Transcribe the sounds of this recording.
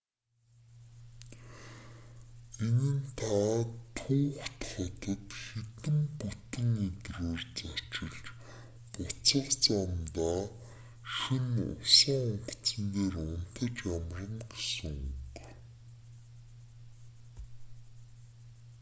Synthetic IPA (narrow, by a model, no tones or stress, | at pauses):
enɘ̆nt̪ʰat̪ʰuːxt̪χɔt̪ə̆t̪xet̪ɘ̆mput̪ɘ̆ŋit̪roːrt͡sat͡ɕɪ̆ɮt͡ɕ | pʊt͡sə̆qt͡samt̪aː | ʃinʊ̰saʊɴɢ̆ʰt͡sə̆nt̪eːrʊn̥t̪ə̆t͡ɕamrə̆ŋɡesɘ̆ŋuk